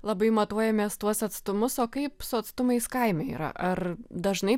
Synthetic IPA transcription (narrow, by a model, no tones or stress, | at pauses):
lˠɐbɐɪmɐt̪uɔjɛmʲeːst̪uɔsɐt̪st̪ʊmʊsoːkɐɪpsʊɐt̪st̪ʊmɐɪskɐɪmʲɛḭːɾɐ̰ʔɐrd̪ɐʒnɐɪ